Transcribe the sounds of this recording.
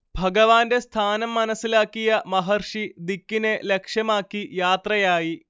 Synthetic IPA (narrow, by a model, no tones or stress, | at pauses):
bʱɐɡɐʋaːnde̞st̪ʰaːnɐmːɐnɐsːilaːkːijɐmɐɦɐrʂid̪ikːine̞lekʂjɐmaːkːijaːt̪rɐjaːji